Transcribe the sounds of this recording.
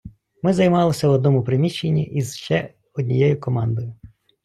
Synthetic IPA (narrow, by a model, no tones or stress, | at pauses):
mɪzɐjmɑlˠɪsʲɐwɔd̪nɔmʊpɾɪmʲiʃt͡ʃːenʲːḭʔiz̥ʃt͡ʃɛ | ɔdʲnʲijɛjʊkɔmɑnd̪ɔjʊ